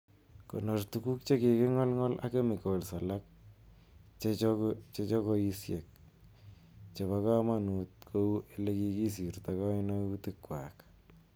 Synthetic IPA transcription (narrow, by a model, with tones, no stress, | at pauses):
ko̰˨nortuku˦k̚t͡ʃe˦ke˨ke˦ŋɔ˦lŋɔ˦la̰ke˦mɪ˨kolsa˨lak̚ | t͡ʃet͡ʃt͡ʃet͡ʃɔ˦koisje˨k̚ | t͡ʃe˨βaka˦manu˨t̚kʰo˦u˦ʔeleki˧ki˦s̬i˨rtaka˦inautɪkːwa̰k